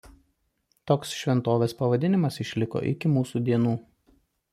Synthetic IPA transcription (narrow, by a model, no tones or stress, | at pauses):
t̪oːksʃʲʋʲɛnt̪oːʋʲeːspɐʋɐd̪ʲɪnʲɪmɐsɪʃʲlʲɪko̰ːʔɪ̰kʲɪmuːsud̪ʲiɛnuː